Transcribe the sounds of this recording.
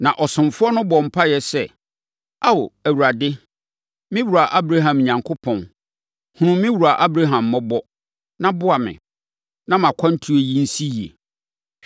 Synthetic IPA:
nã˨ʔɔ˨sʊ̃˨mfʊ˦ɔ˦nʊ̃˦bɔ˨m̩˨pʰa˦jɛ˨sɛ˦˨ | a˦wo˨æ˨wu˨ɾa˨dɪ˦ | mɪ̃˦wu˨ɾa˨ʔa˦bɾa˦ɦã˨m˨ɲã˨ŋkʰʊ˦pʰɔ̃˨n | hʊ̃˦ʊ̃˦mmːɪ̃˦wu˨ɾa˨ʔa˦bɾa˦ɦã˨mːɔ̃˦bɔ˦ | nã˦bʊ˦a˨mɪ̰̃˨ | nã˦mã˨kʷʰã˦n̩˦tʰu˦e˨ji˦n̩˦si˦jḛ˨

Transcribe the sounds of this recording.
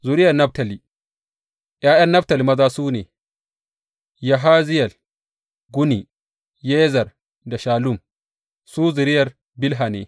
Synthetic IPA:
zu˨ɾɪ˦jɐ˨rnɐ˦b̚tɐ˨li˨ | jaː˦jɐ˦nːɐ˦btɐ˨li˨mɐ˦zaː˦suː˦neː˨ | ja˨ɦaː˦zɪ˦jɐ˨l | ɡu˦ni˨ | jeː˦zɐ˨r | da˨ʃaː˨lu˦˨m | suː˦zu˨ɾɪ˦jɐ˨r | bɪ˦lɦa˨nḛː˨

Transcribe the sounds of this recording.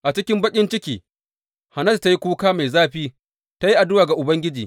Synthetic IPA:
ʔa˨t͡ʃɪ˦kʲɪ˦mbɐ˦kʲʼɪ˦nt͡ʃɪ˦kʲiː˨ | ha˨nɐ˦t̚ta˦ji˦kʷuː˦kaː˦ma˨jzaː˦ɸiː˦ | ta˦ji˦ʔa˨dʊ˦waː˨ɡa˨ʔʊ˨bɐ˦ŋɡʲɪ˦d͡ʒiː˨

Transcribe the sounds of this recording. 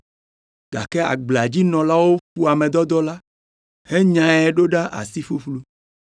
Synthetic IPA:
ɡ̥a̰˨kɛ˦a̰˨ɡ͡bla˨d͡ʑi˦nɔ̃˨la˦wo˦fu˦a˨mẽ˨d̪ɔ˦d̪ɔ˦la˦ | he˦ɲã˨ɛ˨ɖo˦ɖa˦ʔa̰˨si˦fu˦ɸlu˦

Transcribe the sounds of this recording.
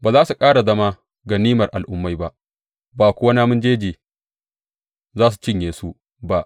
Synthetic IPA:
baː˨zaː˦su˨kʼaː˦ɽa˨zɐ˦ma˦ | ɡa˨niː˦mɐ˨rʔa˨lʔʊ˦mːa˦jba˦ʔ | baː˨kʷʊ˦wa˦naː˦mʊ˦nd͡ʒeː˦d͡ʒiː˨ | zaː˦s̬u̥˨t͡ʃɪ˦ɲjeː˨su˦ | ba˦ʔ

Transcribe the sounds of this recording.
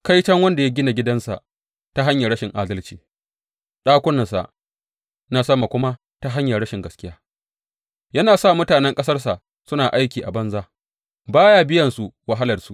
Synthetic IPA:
ka˦jt͡ʃɐ˦ŋwɐ˦nda˨ja˦ɡʲɪ˦na˨ɡʲɪ˦dɐ˦nsa̰˨ʔ | ta˦ɦa˦ɲja˨ɾɐ˦ʃɪ˨ŋʔaː˦dɐ˦lt͡ʃiː˨ | ɗaː˦kʷʊ˦nɐ˨sa̰˨ʔ | naː˦sɐ˦ma˨kʷʊ˦ma˦ | ta˦ɦa˦ɲja˨ɾɐ˦ʃɪ˨ŋɡɐ˨skʲɪ˦jaː˦ | jɐ˦naː˨sa˦˨mʊ˦taː˨nɛ˦ŋkʼɐ˦sɐ˦rsa˨ʔ | sʊ˦naː˨ʔa˦jkʲiː˨ʔa̰˨bɐ˦nzaː˦ | baː˦ja˦bɪ˦jɐ˨nsu˨wɐ˦ɦa˦lɐ˨rsu˦ʔ

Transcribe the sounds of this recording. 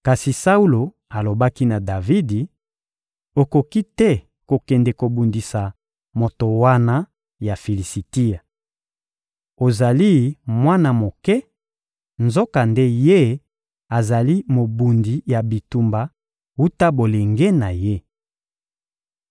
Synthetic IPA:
ka˨si˨sa˦u˦lo˨ | a˨lo˨ba˦ki˦na˨da˨vi˦di˨ | o˨ko˨ki˦tɛ˦ | ko˨kɛ˨ndɛ˨ko˨bu˨ndi˨sa˨ | mo˨to˨wa˦na˦ | ja˨fi˨li˨si˨ti˦a˨ | o˨za˨li˦mwa˦na˨mo˨kɛ˦ | nzo˦ka˨nde˦je˦ | a˨za˨li˦mo˨bu˨ndi˨˦ja˨bi˨tu˨mba˨ | wu˦ta˦bo˨le˨ŋɡe˦na˨je˦

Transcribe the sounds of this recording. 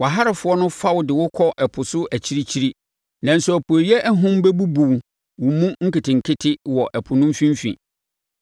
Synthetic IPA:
wa˨ɦa˦ɾɪ˨fʊ˦ɔ˦nʊ̃˦fa˦wʊ˨dɪ˨wʊ˦kʰɔ˦ʔɛ˨pʰʊ˨sʊ˦æ˨t͡ɕʰi˦ɾi˦t͡ɕʰi˦ɾi˦ | nã˨n̩˨sʊ˨æ˨pʰu˨o˨jɛ˦ʔɛ˦ɦʊ̃˦m˦bɛ˦bu˦bu˨w | wʊ˨mũ˦ŋ̩˦ki˨tʰɪ̃˨ŋ̩˨kʰɪ˦tʰɪ˦wɔ˨ʔɛ˨pʰʊ˨nʊ̃˦mfĩ˦m˦fḭ̃˨

